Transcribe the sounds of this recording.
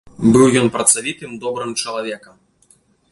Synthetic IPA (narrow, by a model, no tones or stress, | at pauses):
bɨwjɔnpɾɐt̪savʲit̪ɨmd̪ɔbɾɨmt͡ʂɐlˠavʲɛkɐm